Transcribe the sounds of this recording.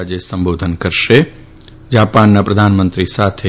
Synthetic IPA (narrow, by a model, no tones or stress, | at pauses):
ad͡ʒesəmbod̪ʱənkəɾʃe | d͡ʒapanːapɾəd̪ʱanmənt̪ɾisat̪ʰe